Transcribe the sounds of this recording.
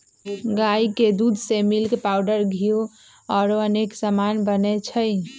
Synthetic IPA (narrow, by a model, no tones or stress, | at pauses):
ɡaiked̪ud̪ʱsemilkepaʊɖəɾɡʱio | ɔːɾoəneksəmanbənɛt͡ʃʰəj